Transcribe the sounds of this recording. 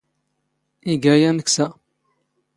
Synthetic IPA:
iɡæjænəksæ

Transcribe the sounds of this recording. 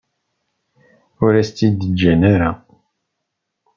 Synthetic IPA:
ʊɾæst̪ːid̪əd͡ʒːænaɾa

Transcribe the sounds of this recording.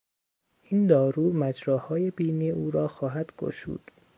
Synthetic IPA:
iːnd̪ɒːɾuːmæd͡ʒɾɒːhɒːje̞biːniːuːɾɒːxɒːɦæd̪̥ɡo̰ʃṵːd̪̥

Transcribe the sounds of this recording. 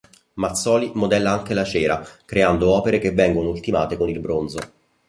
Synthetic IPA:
mat̪sːɔːlimod̪ɛlːaaŋk̟elat͡ʃɛːɾakɾeand̪oɔːpeɾek̟evːɛŋɡonoult̪imaːt̪ekonilbɾonzo

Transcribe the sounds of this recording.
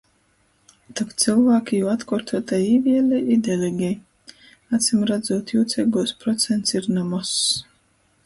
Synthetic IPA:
t̪ɔkt̪sɨlˠvaːkʲijuːat̪kuɾt̪uɔt̪aiːvʲiɛlʲɛʔid̪ɛlʲɛɡʲɛj | at̪sʲimɾad̪zuɔt̪juːt̪sʲɛɡuɔspɾɔt̪sʲɛnt̪siɾnɔmɔs

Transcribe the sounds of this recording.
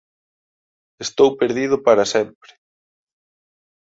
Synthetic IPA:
est̪owpeɾðið̞ʊpaɾasɛmpɾɪ̥

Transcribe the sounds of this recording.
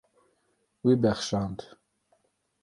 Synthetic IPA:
wibɛχʃɑnt̪

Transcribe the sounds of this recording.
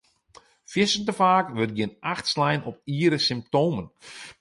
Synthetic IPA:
fjɪsəntəfaːkʋøt̚ɡjɪnʔaxtslɛjnʔɔpiːɾəsɪmp̚toːmən

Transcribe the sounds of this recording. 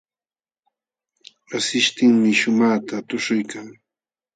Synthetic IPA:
ɾasɪʃt̪ɪŋmɪʃʊmaːt̪at̪ʊʃʊjkaŋ

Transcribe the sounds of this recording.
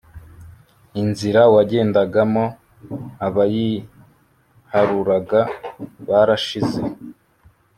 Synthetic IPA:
inziɾawaɟe̞ːndaɡamo̞ | aβaji | haɾuɾaɡaβaɾaʃize̞

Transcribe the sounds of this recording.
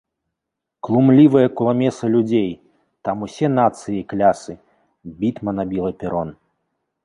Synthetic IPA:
klˠumlʲivɐjɐkulˠamʲɛsɐlʲud͡zʲej | t̪amusʲɛnat̪sɨjiklʲasɨ | bʲit̪mɐnabʲilˠɐpʲɛɾɔn

